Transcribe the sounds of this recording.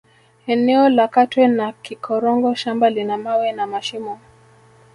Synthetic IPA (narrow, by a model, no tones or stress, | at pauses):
ɛnɛɔlakatwɛnakikʰɔɾɔŋɡɔʃambalinamawɛnamaʃimɔ